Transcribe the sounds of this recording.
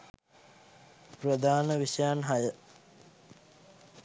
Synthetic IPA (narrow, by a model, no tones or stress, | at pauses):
prɐd̪ʱaːnəʋiʂɐjaːnɦɐjə